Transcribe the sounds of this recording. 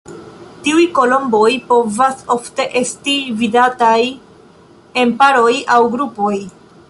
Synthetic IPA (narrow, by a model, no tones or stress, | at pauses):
tiujko̞lo̞mbo̞jpo̞vaso̞fte̞ʔe̞stividataj | e̞mpaɾo̞jawɡɾupo̞j